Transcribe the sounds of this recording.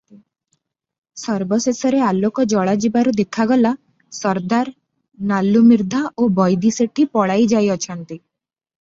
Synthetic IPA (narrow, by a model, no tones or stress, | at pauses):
sɔɾbɔsesɔɾealokɔd͡ʒɔɭad͡ʒibaɾud̪ekʰaɡɔla | sɔɾd̪aɾ | nalːumiɾd̪ʱaʔobɔjd̪iseʈipɔɽajd͡ʒajɔt͡ʃʰɔnt̪i